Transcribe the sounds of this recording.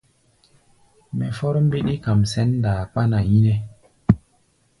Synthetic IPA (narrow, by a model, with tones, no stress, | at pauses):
mɛ˨fɔ˦ɾm˦bi˦ɗi˦ka˨msɛ˦ndaː˨k͡pa˦na˨ji˦ne˨